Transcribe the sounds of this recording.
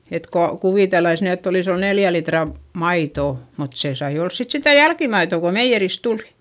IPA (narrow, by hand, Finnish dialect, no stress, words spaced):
et ko kuʋiˑtelːɑis ny etː olis ol neljæ litrɑ mɑitoˑ mut se sɑi ols sit sitæ jælkimɑitoˑ ko meijːeris tuli̥